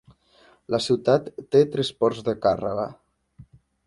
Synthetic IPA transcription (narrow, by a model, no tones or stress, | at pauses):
ləsiwt̪at̪ːet̪ɾɛspɔɾzðəkarə̰ɣə̰